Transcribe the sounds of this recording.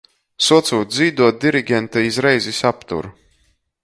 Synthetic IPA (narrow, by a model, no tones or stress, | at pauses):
suɔt̪suːt̪ziːd̪uɔt̪̚d̪iɾiɡʲɛnt̪aizɾɛjzisapt̪ṵɾ